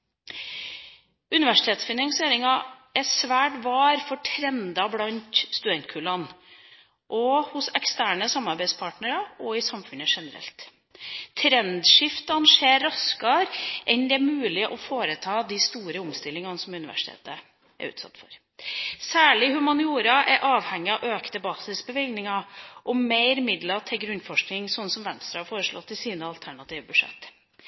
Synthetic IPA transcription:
ʉnɪʋæʂɪ̥t̪ʰeːt̪sfɪnɑŋseːɾɪŋɑɛsʋæːʈʋɑːɾfɔʈʰɾɛnd̪ɑblɑnt̪st̪ʉd̪ɛnt̪̚kʰʉːlɑn | ʔɔhʊsɛkst̪æːɳəsɑmːɑɾbæɪspʰɑːʈnəɾɑɔɪsɑmfʉnəʂɛnəɾɛ̰lt̪ʰː | ɾɛnd̪ʂɪft̪ɑnʂeːɾːɑskɑɾʔɛnd̪ɛæmʉːlɪʔɔfoːɾət̪ʰɑːd̪ist̪uːɾəʊmst̪ɪlːɪŋɑnsɔmʉnɪʋæ̰ʂɪ̥t̪ḛːt̪ə | ʔɛ̰ɾʉ̰ːt̪sɑ̰t̪ːfɔ̰ɾ | sæːɭɪhʉmɑnɪuːɾɑʔɛɾʔɑːʋhɛŋːɪɑʔøːkt̪əbɑːsɪsbəʋɪlɡnɪŋɑʔɔmeɪɾɪmɪd̪lɑt̪ʰɪlɡɾʉnːfɔʂknɪŋsɔnːəsɔmʋɛnst̪ɾɑhɑɾfoːɾəʂɭɔ̰t̪ʰːɪlsiːnəɑlt̪ʰæɳɑt̪ʰiːʋəbʉʂɛ̰t̪ː

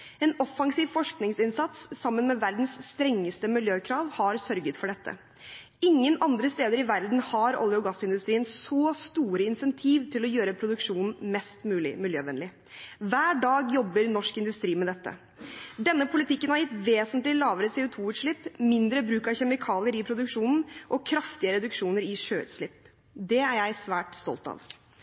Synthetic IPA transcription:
ɛːnɔfɑŋsiːʋfɔʂknɪŋsɪnsɑt̪sːɑmːənmɛʋæɾd̪n̩sːt̪ɾɛŋːəst̪əmɪljøːkʰɾɑːʋhɑɾsœɾɡət̪fɔɖɛt̪ʰːə̰ | ɪŋːənʔɑnd̪ɾəst̪eːd̪əɾɪʋæɾd̪n̩hɑɾɔ̰ljʊɡɑsɪnd̪ʉst̪ɾiːənsɔːst̪uːɾəɪnsɛnt̪ʰiːʋt̪ʰɪlɔjøːɾəpʰɾʊd̪ʉkʂuːnn̩mɛst̪mʉːlɪ̰mɪljøːʋɛnlɪ | ʋæːɖɑːɡjɔbːəɾnɔʂkɪnd̪ʉst̪ɾiːmɛd̪ɛt̪ːə̰ | d̪ɛnːəpʰʊlɪt̪ʰɪkːənhɑɾjɪt̪ʋeːsənt̪lɪlɑːʋəɾəsɛʊt̪ʰuːʉːt̪ʂɭɪpːmɪnd̪ɾəbɾʉːkɑʋçɛmɪkʰɑːlɪəɾɪpʰɾʊd̪ʉkʂuːnn̩ʔɔkʰɾɑft̪ɪəɾɛd̪ʉkʂuːnəɾɪʂøːʉ̰t̪ʂlɪpː | d̪ɛæɾjæɪsʋæːʈst̪ɔ̰lt̪ɑ̰ːʋ

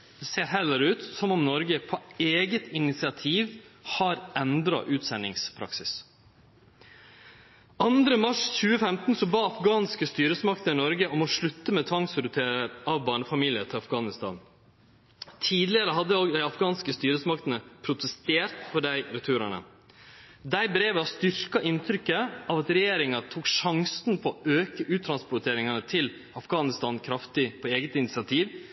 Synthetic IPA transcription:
d̪ɛseːɾɦɛlːəɾʉːt̪sɔmɔmnɔɾɡəpʰɔeːɡət̪ɪnɪt̪sɪɑt̪ʰiːʋhɑɾɛnd̪ɾɑ̰ʔʉːt̪sɛnːɪ̰ŋspʰɾɑ̰ksɪs | ʔɑnd̪ɾəmɑʂçʉːəfɛmt̪n̩sɔbɑːɑfɡɑːnskəst̪yːɾəsmɑk̚t̪ənənɔɾɡəʔɔmɔʂɭʉt̪ːəmɛt̪ʰʋɑŋsɾʉt̪ʰeːɾəɑʋbɑːɳəfɑmiːlɪət̪ʰɪlɑfɡɑːnɪst̪ɑ̰ːn | t̪ʰiːd̪lɪəɾəɦɑd̪ːəoɡd̪æɪɑfɡɑːnskəst̪yːɾəsmɑkt̪ənəpʰɾʊt̪əst̪eːɾt̪pʰɔɖæɪɾɛt̪ʰʉːɾɑɳə̰ | d̪æɪbɾeːʋəɑst̪ʏɾkɑʔɪnt̪ʰɾʏkːəɑʋɑt̪ɾɛjeːɾɪŋɑt̪ʰuːkʂɑŋsnpʰɔɔøːkəʔʉːt̪ʰɾɑnspʊt̪ʰeːɾɪŋɑnət̪ʰɪl | ɑfɡɑːnɪst̪ɑːnkʰɾɑft̪ɪpʰɔeːɡət̪ɪnɪt̪sɪɑt̪ʰiːʋ

